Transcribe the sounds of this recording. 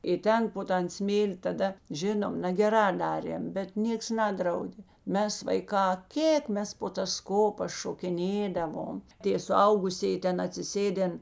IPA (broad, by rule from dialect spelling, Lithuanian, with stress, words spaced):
ɪ ˈtʲɛn poː ˈtɐn ˈsʲmʲeːlʲɪ tɐˈdɐ ˈʒʲɪnoːm nɐɡʲɛˈrɑː ˈdɑːrʲeːm bʲɛt ˈnʲiɛks ˈnɑːdrɐʊdʲeː ˈmʲɛs ʋɐɪˈkɑː ˈkʲeːk ˈmʲɛs poː tɐs ˈkoːpɐs ʃoːkʲɪˈnʲeːdɐʋoːm ˈtʲeː sʊˈɐʊɡʊsʲeːjɪ ˈtʲɛn ɐtʲsʲɪˈsʲeːdʲɛn